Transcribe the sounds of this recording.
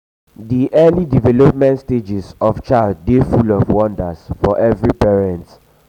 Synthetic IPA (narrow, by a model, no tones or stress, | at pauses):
diʔɛlidivɛlɔpmɛ̃ntsted͡ʒɛzɔvt͡ʃaɪld̚ːefulɔvwɔ̃ndəsfɔʔɛvɹipɛɹɛ̃nt